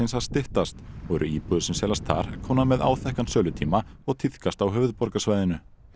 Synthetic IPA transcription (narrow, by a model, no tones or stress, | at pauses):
ɪnshaðst̪ɪht̪ast̪ɔɛɾʔʏ̰iːpuðʏsɛmsɛːlast̪θa̰ɾ̥kʰɔːwnamɛða̰ːwθɛhkansœːlʏt̪ʰiːmaɔɣt̪ʰiθkast̪awɦʏːvʏðpɔɾkasvaːjðɪnʏ